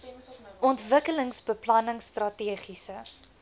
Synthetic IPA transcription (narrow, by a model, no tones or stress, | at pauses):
ʔɔntvəkələŋsbəplɐnəŋstrɐtiəχisə